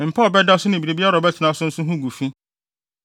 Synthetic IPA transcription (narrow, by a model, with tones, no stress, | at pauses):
m̩˨pʰa˦ɔ˨bɛ˦da˦sʊ˦nɪ̃˨bi˨ɾe˨bi˦a˦ɾɔ˨bɛ˦tʰɪ˨nã˨˦sʊ̃˦n̩˦sʊ̃˦ɦʊ̃˦ɡu˨fĩ˦